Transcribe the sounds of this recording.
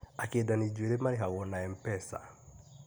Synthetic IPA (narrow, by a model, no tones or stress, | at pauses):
akedanid͡ʒweɾemaɾiɦaɣɔnaɛmpɛsa̰